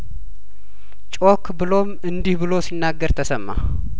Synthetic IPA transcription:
t͡ʃʼokbɨlo̞mɨnd̪ihbɨlo̞sinːaɡːəɾt̪ʰəsəmːa̰

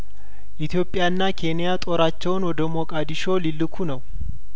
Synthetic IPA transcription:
ʔɪt̪jo̞pʼːɪjanːakʰe̞nɪjat̪ʼo̞ɾat͡ʃːɛwʊnwɔd̪əmokʼad̪ɪʃo̞ːlɪlːɨkʰunɐw

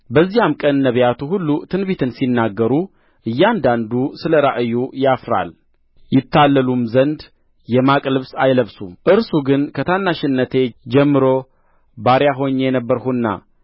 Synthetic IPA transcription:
bəzːijamkʼənːəβjat̪ʰuɦulːut̪ʰɨnβit̪ʰɨnsinːaɡːəɾu | ʔɨjːand̪and̪usɨləɾaʔɨjːujafɾa̰l | jɪt̪ːalːəlumzənd̪ | jɛmakʼlɨβsajləβsumʔɨɾsuɡɨnkʰət̪ʰanːaʃɪnːət̪ʰe̞d͡ʒɛmːɨɾo̞ | baɾjaɦo̞ɲːjɛnəbːəɾhunːa̰

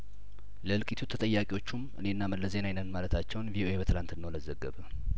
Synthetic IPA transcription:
ləɨlkʼit̪ʰut̪ʰət̪ʼəjːakʼiwo̞t͡ʃːumɨ̰neɨnːaməlːəze̞najnənmalət̪ʰat͡ʃːɛwnviʔo̞ʔe̞bət̪ʰɨlant̪ɨnːəwləzəɡːəβə

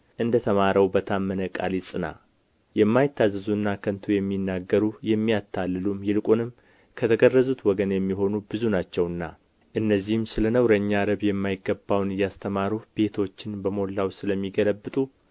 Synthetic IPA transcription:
ʔɨnd̪ət̪ʰəmaɾəwbət̪ʰamːənəkʼa̰lisʼɨna̰ | jɛmːajɪt̪ʰːazːɨzuɨnːakʰənt̪ʰujɛmːinːaɡːəɾujɛmːijat̪ʰːalːɨlumjɪlkʼunɨm | kʰət̪ʰəɡərːəzut̪wɔɡənjɛmːiɦo̞nubɨzunat͡ʃːɛwnːa̰ | ʔɨnːəzːihɨmsɨlənəwɾəɲːaɾəβjɛmːajɪɡːəbːawnɨjast̪ʰəmaɾube̞t̪ʰo̞t͡ʃːɪnbəmolːawsɨləmːiɡələbːɨt̪ʼu

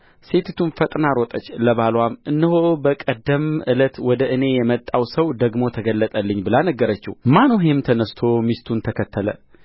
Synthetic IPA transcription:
se̞t̪ʰt̪ʰunfət̪ʼnaɾɔt̪ʼət͡ʃːləβalwamɨnːɨhobəkʼəd̪ːəmʔɨlət̪wɔd̪əʔɨne̞jɛmət̪ʼːawsəwd̪əɡmo̞t̪ʰəɡəlːət̪ʼəlːɨɲːbɨlanəɡːəɾət͡ʃːihmanoɦemt̪ʰənəst̪ʰo̞mist̪ʰunt̪ʰəkʰət̪ʰːələ̰

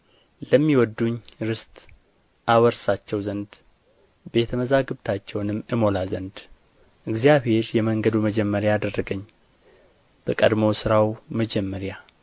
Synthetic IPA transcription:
ləmːiwɔd̪ːuɲɾɨst̪ʼ | ʔawəɾsat͡ʃːɛwzənd̪ | be̞t̪ʰəməzaɡɨβt̪ʰat͡ʃːɛwnɨmːɨmo̞lazənd̪ | ʔɨɡzijaβhe̞ɾjɛməŋɡəd̪uməd͡ʒɛmːəɾjaːd̪ərːəɡəɲː | b̥əkʼəd̪mo̞sɨɾawməd͡ʒɛmːəɾja

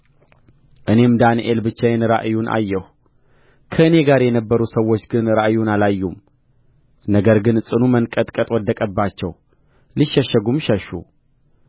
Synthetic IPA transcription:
ʔɨne̞md̪aniʔelbɨt͡ʃːajɛnɾa̰ʔjunʔa̰jːɛh | kʰəɨne̞ɡaɾjɛnəbːəɾusəwːo̞t͡ʃːɡɨnɾaʔjunalajːum | nəɡəɾɡɨnsʼɨnumənkʼət̪ʼkʼət̪ʼwɔd̪ːəkʼəbːat͡ʃːɛw | liʃːəʃəɡumʃɛʃːṵ

